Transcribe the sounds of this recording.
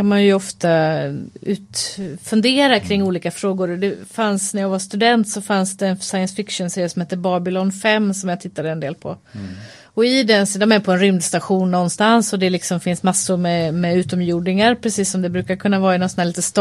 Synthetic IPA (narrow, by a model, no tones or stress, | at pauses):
anmanjɵɔft̪a | ʉ̟ːt̪fɵnd̪eːɾakʰɾɪŋːuːliːkafɾoːɡʊɾɔd̪ɛfansnæjɑːɡvast̪ɵd̪ɛnt̪sɔfansd̪ɛːnsajənsfɪkʂʊnseːɾjəsɔmheːt̪ːəbɑːbɪlɔnfɛmːsɔmjɑɡt̪ʰɪt̪ːad̪əɛnd̪eːlpʰɔ̰ | ɔɪd̪ɛnsd̪ɔmɛɾpʰɔɛnɾʏmd̪st̪aɧuːnːɔnːst̪ansɔd̪ɛlɪksɔmfɪnsmasːʊɾmɛmɛʉ̟ːt̪ɔmjuːɖɪŋaɾpʰɾɛsiːsːɔmd̪ɛbɾʉ̟ːkaɾkʰɵnːavɑːɪnɔnsɔnhæːɭiːt̪əst̪